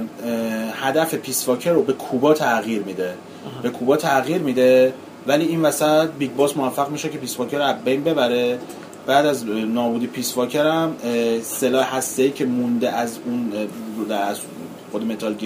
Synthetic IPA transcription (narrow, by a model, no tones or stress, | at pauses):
hæd̪æfe̞pʰisvɒːcʰeɾobekʰuːbɒːt̪ʰæɣiːɾmiːd̪e | be̞kʰuːbɒːt̪ʰæɣiːɾmiːd̪e̞ | væliːiːnvæsæt̪̚biːɡbɒːsmovæfːæɣmiːʃecʰe̞piːsvɒːcʰeɾoæzbejnbe̞bæɾe | b̥æːd̪æznɒːbuːd̪ipʰiːsvɒːcʰeɾæmselɒːehæst̪eiːcʰe̞mund̪eʔæzund̪æz | xod̪eme̞t̪ʰɒːlɟe